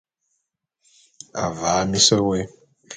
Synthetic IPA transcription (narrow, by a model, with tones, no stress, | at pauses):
a̰˨va˨˦mi˦sɛ˦we˦